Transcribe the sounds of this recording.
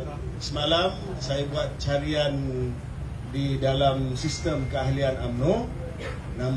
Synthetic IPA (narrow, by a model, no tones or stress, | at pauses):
səmalam | sajabuat̪̚t͡ʃaɾian | didalamsist̪əmkəaɦlianamno | nãm